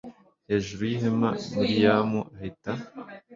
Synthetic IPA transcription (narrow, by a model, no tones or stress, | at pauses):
heːʒuɾujiɦema̰muɾijaːmuaheta